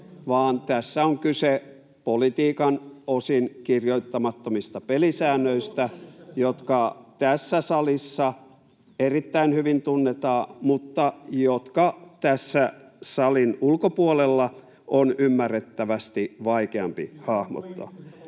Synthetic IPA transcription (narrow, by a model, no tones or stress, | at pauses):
ʋɑːnt̪æsːæoŋkyse | polit̪iːkɑnosinkirjoit̪ːɑmɑt̪ːomist̪ɑpelisæːnːøist̪æjot̪kɑt̪æsːæsɑlisːɑ | erit̪ːæinhyʋint̪unːet̪ɑːmut̪ːɑjot̪kɑt̪æsːæsɑlinulkopuolelːɑ | ʔonymːærːet̪ːæʋæst̪iʋɑikeɑ̰mpḭhɑhmo̰t̪ːɑ̰